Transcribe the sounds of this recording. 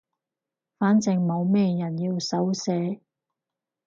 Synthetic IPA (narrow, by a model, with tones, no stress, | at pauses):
faː˨˥nt͡sɪ˨˧ŋmo˨˧wmɛː˧jɐ˨˩njiː˧wsɐ˨˥wsɛː˨˧˥